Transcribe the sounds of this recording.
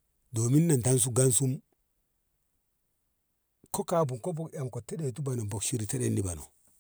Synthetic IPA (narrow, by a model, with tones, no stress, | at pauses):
doː˨mi˦nːa˨nta˦ns̬u˦ɡa˦nsu˦m | ko˦ka˦bu˨ŋko˦fo˨kja˨mko˨tːe˦ɗe˨tu˦ba˨no˨bo˨kʃi˦ɾi˨te˦ɗḛ˦nːi˨ba˨no̰˨